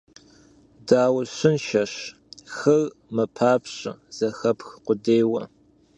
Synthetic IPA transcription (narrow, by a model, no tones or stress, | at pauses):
daːwɐɕɪnʃɐɕ | xɨr | mɨpʰaːpɕʼɐ̰z̥ɐxɐpʰxqʷʊdeːjwɐ